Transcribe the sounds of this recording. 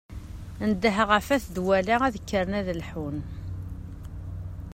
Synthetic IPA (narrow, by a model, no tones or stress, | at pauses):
nd̪əɦəʁəfæθd̪wælaæðəkːəɾˤnæðlħun